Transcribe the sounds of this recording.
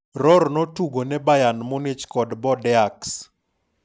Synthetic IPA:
rɔrnɔtuɡonɛbajanmʊnɪt͡ʃkɔdbɔdɛaks

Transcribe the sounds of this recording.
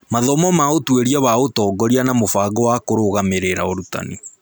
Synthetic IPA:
maðɔmɔmaotweɾiaβaotɔːɡɔɾianamofaɡɔwakoɾoɣameɾeɾaoɾuta̰ni

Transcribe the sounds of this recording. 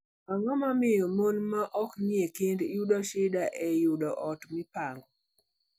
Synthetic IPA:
aŋɔmamɪjɔmonmaʔɔkɲekɪndjuɗɔʃɪdaʔɛjʊdɔʔɔtmɪpaŋɡɔ

